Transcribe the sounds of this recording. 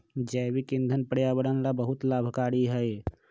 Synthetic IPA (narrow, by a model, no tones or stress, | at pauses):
d͡ʒɛjbikĩnd̪ʱənpəɽjabəɽənlabəɦut̪laːbʱkaːɽiɦəj